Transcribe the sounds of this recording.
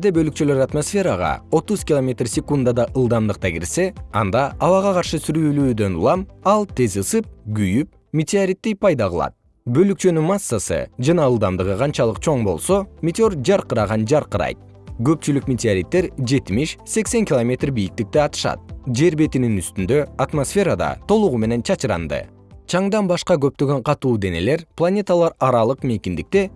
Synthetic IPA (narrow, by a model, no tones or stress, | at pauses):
d̪ebø̞lyk̚t͡ʃølø̞ɾat̪mosfʲe̞ɾɑʁɑ̰o̞t̪uzkʲilˠomʲe̞t̪rsʲekund̪ad̪ɑʔɯlˠd̪ɑmd̪ɯq̚t̪ɑɡḭɾse̞ɑ̰nd̪ɑɑβɑʁɑqʰɑɾʃɯsyɾyːlyːd̪ø̞nṵlˠɑmɑlˠt̪ʰe̞zɯsɯp̚ɡyjyp̚ | mʲet̪ʲɪaɾʲit̪ːijpɑjd̪ɑʁɯlˠɑ̰t̪̚ | bø̞lykt͡ʃø̞nymasːasɯ̰d͡ʒɑnɑɯlˠd̪ɑmd̪ɯʁɯqʰɑnt͡ʃɑlˠɯqt͡ʃʰo̞ɴbo̞̰lˠso̞mʲet̪ʲo̞rd͡ʒɑɾqɯɾɑʁɑnd͡ʒɑɾqɯɾɑ̰jt̪̚ | ɡø̞pt͡ʃylyk̚mʲet̪ʲɪaɾʲit̪ːe̞ɾd͡ʒe̞t̪imiʃse̞kse̞ŋkʲilˠomʲe̞t̪rbijik̚t̪ik̚t̪eɑt̪ɯ̥ʃɑ̰t̪̚d͡ʒe̞ɾbe̞t̪ininyst̪ynd̪ø̞at̪mosfʲe̞ɾad̪ɑ̰t̪ʰo̞lˠuʁume̞ne̞nt͡ʃʰɑt͡ʃɯɾɑ̰nd̪ɯ̰ | t͡ʃʰɑɴd̪ɑnbɑʃqɑɡø̞p̚t̪ø̞ɡø̞ɴqʰɑt̪uːd̪e̞ne̞̰le̞ɾplˠanʲe̞t̪alˠɑɾɑɾɑlˠɯqme̞kʲind̪ik̚t̪e̞